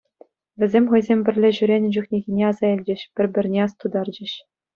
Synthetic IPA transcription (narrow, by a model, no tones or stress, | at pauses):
ʋʲɘ̆zʲemʲχɤ̆jzʲemʲbʲɘ̆rʲlʲeʑyɾʲenʲɘd͡ʑuχnʲeɣʲinʲeɑzɑilʲd͡ʑɘ̆ɕpʲɘ̆rʲbʲɘ̆rʲnʲeɑst̪ud̪ɑrd͡ʑɘ̆ɕ